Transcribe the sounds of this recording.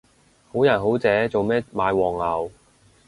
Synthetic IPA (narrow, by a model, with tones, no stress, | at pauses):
ho˨˥wjɐ˨˩nɦo˨˥wt͡sɛː˨˥t͡so˨wmɛː˥maː˨˧˥jwɔː˨˩ŋlɐ˨˩w